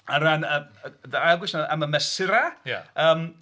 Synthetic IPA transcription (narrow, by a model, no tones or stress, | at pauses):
aɾanədaalˠɡwɪsnaaməmɛsɪɾaja̰əːm